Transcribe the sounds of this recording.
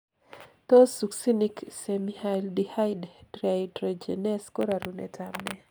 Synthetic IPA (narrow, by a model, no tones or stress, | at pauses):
t̪osuksiniksemihajldihaɪddɾadɾed͡ʒḛnɛskoɾaɾunɛ̰tʰamnɛ